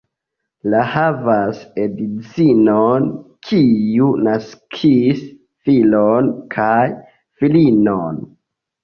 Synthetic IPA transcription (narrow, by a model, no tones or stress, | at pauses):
lahavasedit͡sinonkʰiunaskʰis | filonkʰaj | filinon